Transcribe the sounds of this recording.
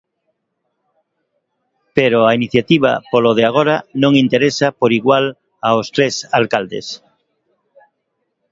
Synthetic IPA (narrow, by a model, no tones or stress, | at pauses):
peɾoainiθjat̪iβ̞a̰poloð̞eaɣ̞oɾanõŋint̪eɾesapoɾiɣwal | aost̪ɾesalkald̪ḛs